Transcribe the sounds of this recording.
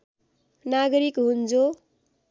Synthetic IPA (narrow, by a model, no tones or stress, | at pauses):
naɡʌɾikɦund͡zo